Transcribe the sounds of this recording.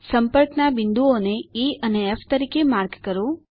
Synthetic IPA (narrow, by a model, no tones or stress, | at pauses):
səmpəɾknabind̪uoneiəneːfʰt̪əɾiːkemaːɾkkəɾo